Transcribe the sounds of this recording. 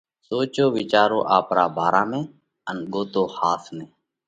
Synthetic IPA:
soːt͡ʃoːʋit͡ʃaːɾo̰ːʔaːpɾaːbʱaːɾaːmẽː | ənɠoːt̪oːhaːsʰmẽː

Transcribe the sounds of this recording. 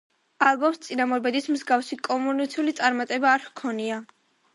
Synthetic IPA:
alˠbɔmst̪sʼinamɔɾbɛd̪ismzɡafsikʼɔmunit̪sʰiulit̪sʼaɾmat̪ʼɛbaːɾkʰɔnia

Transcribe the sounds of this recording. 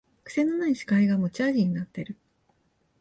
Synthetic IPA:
kɯ̟̥se̞nːo̞naiɕi̥kaiɡamo̞t͡ɕaːʑiɲ̟inat̪ːe̞ɾɯ̟

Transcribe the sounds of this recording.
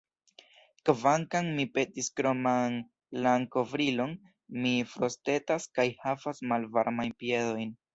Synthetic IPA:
kvaŋkaŋmipe̞tiskɾo̞man | laŋko̞vɾilo̞n | mifɾo̞ste̞taskajhafasmalvaɾmajnpie̞do̞jn

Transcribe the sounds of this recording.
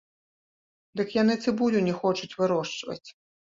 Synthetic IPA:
d̪ɨkjanɨt̪sɨbulʲunʲɛxɔt͡ʂut͡sʲvɨɾɔʂt͡ʂvɐ̰t͡sʲ

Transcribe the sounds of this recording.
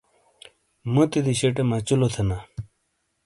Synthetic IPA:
mut̪id̪iɕeʈemɐt͡ɕulot̪ʰɐna

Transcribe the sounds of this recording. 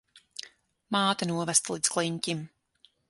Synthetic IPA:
maːt̪anuɔvɛst̪lˠiːd̪sklˠiɲʲcʲim

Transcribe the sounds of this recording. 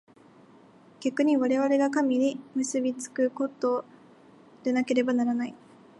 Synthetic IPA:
ɡ̥ʲakɯ̟ɲ̟iβaɾe̞β̞aɾe̞ɡakamʲiɲimɯ̟sɨbʲit͡sɨ̥kɯko̞t̪o̞ː | d̪̥e̞nake̞ɾe̞banaɾanai

